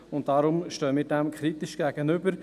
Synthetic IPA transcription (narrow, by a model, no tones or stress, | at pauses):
ʊnt̚dɑɾʊmʃtøːəmiːɾdɛmkʰχɾitɪʃɡ̥ɛɡ̥ənʏbəɾ